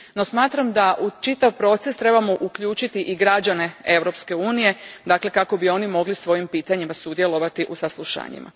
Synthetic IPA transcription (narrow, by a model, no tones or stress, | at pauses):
no̞smaːt̪ɾamd̪aʔut͡ʃit̪aʋpɾo̞ːt̪se̞st̪ɾe̞bamoʔukʎuːt͡ʃit̪iʔiɡɾad͡ʑane̞e̞vɾo̞pske̞uːnije̞d̪akle̞kako̞bio̞nimo̞ɡlisʋo̞jimpiːt̪aɲimasud̪jelˠo̞ʋat̪iʔusaslˠuʃa̰ːɲḭmʔa̰